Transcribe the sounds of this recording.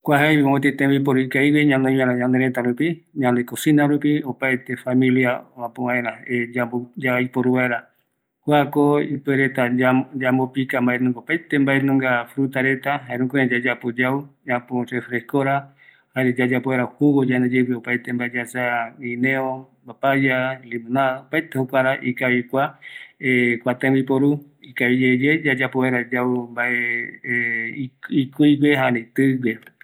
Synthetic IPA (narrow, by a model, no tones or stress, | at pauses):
kʷaɦajiõot̪̬iet̪ẽmijp̬oɾuikaiwiɲãnd̪eɲãɾaɲãnd̪eɾet̪aɾupiɲãnd̪ekosinaɾupiopajt̪efamĩljaãpoβãẽɾãed͡ʒabod͡ʒaipoɾuβaeɾa | kʷakoipeɾet̪aad͡ʒambopikambaenũŋɡaopajt̪embaenũŋɡafɾut̪aɾe̞t̪aɦaeɾũkoẽd͡ʒad͡ʒapod͡ʒaud͡ʒapoɾefɾeskoɾa | haɾed͡ʒad͡ʒapoβeɾahuɡod͡ʒaned͡ʒeweopajt̪embaed͡ʒasaĩnẽombapajalimũnaopajt̪ehokʷaɾaʔikaβikʷaekʷat̪ẽwbipoɾu | ikaβid͡ʒed͡ʒed͡ʒad͡ʒapoweɾad͡ʒawmbaʔe | ikuiɡeɦaɾeit̪ɨɡʷe